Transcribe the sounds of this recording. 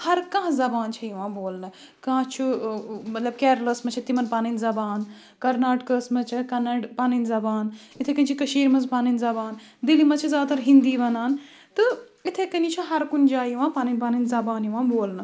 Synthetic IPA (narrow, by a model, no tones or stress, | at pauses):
hɐɾkɐ̃ːɦzɐbaːnt͡ʃʰɐjiʋãːboːlnɨ | kãːɦt͡ʃʰumɐt̪lɐb̚kɛːɾləsmɐt͡ʃʰit̪imɐnpaːninzɐbaːn | kɐɾnaːʈkɐːsmɐt͡ʃʰikɐnɐɖpaːnɐnzɐbaːn | it̪ʰekɐnit͡ʃʰikɐʃiːɾmɐspaːnɐnzɐbaːn | d̪ilimɐt͡ʃʰizʲaːd̪ɐt̪ʰɐɾɦind̪iːʋɐnaːn | t̪ɨ | it̪ʰekɐnit͡ʃʰiɦɐɾkund͡ʒaːjiʋãːpaːnɐnʲpaːnɐnzɐbaːnjiʋãːboːlnɨ